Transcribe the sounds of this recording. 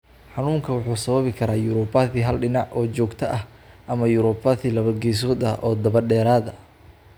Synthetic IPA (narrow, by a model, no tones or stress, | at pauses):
ħɑnuːŋkʰɐwʊħuːsɐβɐβɪkʰɐɾaːjʊɾɔbɐðiːɦɐlɖɪnɑʕʔɔːt͡ʃɔːɡt̪ʰɐʔɐh | ʔɐmɐjʊɾɔbɐðilɐβɐɡɛːs̬ɔːd̪ɐʔɔːd̪ɐβɐɖɛːɾaːðɐ